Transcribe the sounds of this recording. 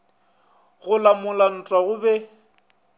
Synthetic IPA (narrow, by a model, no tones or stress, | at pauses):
ɣʊlamʊlan̩tʼwaɣʊbɛ